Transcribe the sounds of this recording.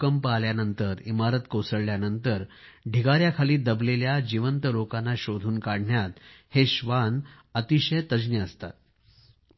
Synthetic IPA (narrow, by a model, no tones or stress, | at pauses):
kəmpaljanənt̪əɾimaɾət̪kosəɽljanənt̪əɾ | ɖʱiɡaɾjakʰaliːd̪əbleljad͡ʑiʋənt̪əlokanːaɕod̪ʱuːnkaɽ̤ɳjat̪heɕʋan | ət̪iɕəjt̪əd͡ʑniəst̪a̰t̪̚